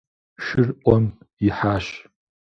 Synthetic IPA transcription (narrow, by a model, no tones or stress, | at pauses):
ʃɪrʔʷɔm | iħaːʃ